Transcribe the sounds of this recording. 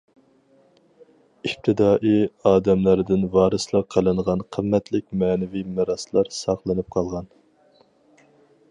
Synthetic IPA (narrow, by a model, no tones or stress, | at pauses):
ip̚t̪ʰɨd̪ɑːʔiɑːd̪ɛmlˠæɾd̪ɪnvɑːɾɨslˠɑqʰəlˠɨɴʁɑnqʰəmːɛt̪ʰlɪk̚ʲmɛːnɪvimɪɾɑslˠɑɾsɑχlˠɨnɨp̚qʰɑlˠʁɑn